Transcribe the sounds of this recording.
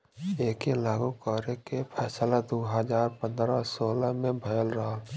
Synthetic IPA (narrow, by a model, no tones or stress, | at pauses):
eːkelaːɡukɔːɾekepʰɛːslad̪oːɦəd͡ʒaːɾpə̃nd̪ɾasoːlamẽbʱɐjəlɾɐɦaː